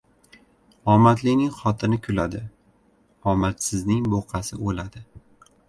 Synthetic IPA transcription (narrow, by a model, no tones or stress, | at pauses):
ɒmat̪lɪnɪŋχɒt̪ʰɪnɪkʲʰʊlad̪ɪ | ɒmat̪sɪznɪŋboqʰɑsɪolad̪ɪ